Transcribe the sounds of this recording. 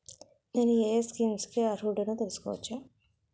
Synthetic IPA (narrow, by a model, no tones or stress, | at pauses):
nenieːskiːmskiaɾuːɖɐnuːt̪elɐsu̥kɔ̰ːʋɐ̰t͡ʃːa